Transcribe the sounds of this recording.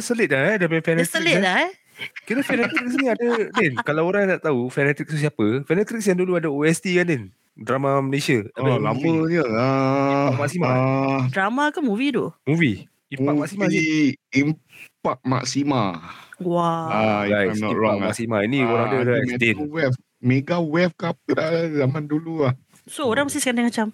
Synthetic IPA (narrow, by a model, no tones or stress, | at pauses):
səlɪt̪̚laɛdapafɛnɛt̪əklɪlah | kinəfɛnɛt̪ik̚sniadəlɛnkalawoɾaŋjãdaʔt̪aufɛnɛt̪ik̚t̪us̬iapəfɛnɛt̪ɾik̚sjaŋduluadəoɛst̪ikanlɪn | dɾamaməlesəaalaməd͡ʒəaak̚maksimaadɾamakanmuvidomuvi | imak̚maksimaimpak̚ma̰ksimawaalajsnɔiɾɔakma̰k̚simainioɾãŋdəadaɛst̪enwɛf̚ | meɡawɛf̚kap̚kədazamandulua | sooɾãŋmast̪isəkandaŋmat͡ʃam